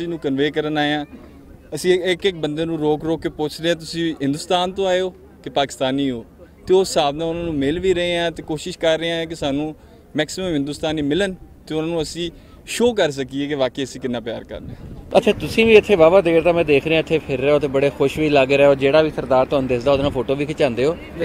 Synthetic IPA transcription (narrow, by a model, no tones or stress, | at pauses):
sĩːnũːkənʋeːkəɾənaːeãː | əsĩːɪkɪk̚bənd̪eːnũːɾoːkɾoːkːeːpʊːt͡ʃʰd̪eːãːt̪̬ʊsĩːɦɪ̃nd̪ʊːst̪aːnt̪õːaːeoː | kepaːkɪ̥st̪aːniːɦoː | t̪eːoːsaːbnãːʊnãːnũːmɪlʋiːɾəɦeːãːt̪eːkoːʃɪʃkəɾːeãːk̬ɪsaːnũː | mɛːksɪməmɦɪ̃nd̪ʊst̪aːniːmɪlənt̪eːʊnaːnũːəsĩː | ʃoːk̬əɾs̬əkiːeːkeʋaːkeːəsĩːkɪnːãːpja̰ːɾkə̰ɾnẽːət̪ʰːeːt̪ʊsĩːʋiːɪt̪ʰːeːʋaːbaːd̪eːkʰɾt̪aːmɛ̃ːd̪eːkʰɾeãːɪt̪ʰːeːpʰɪɾːɛːoːt̪̬eːbəɽeːxʊʃʋiːlaːɡeːɾɛːoːd͡ʒeːɽaːʋiːsəɾd̪aːɾt̪oːnd̪esd̪aːʊd̪nãːpʰoːʈoːʋiːkʰɪt͡ʃãːnd̪eːɦoː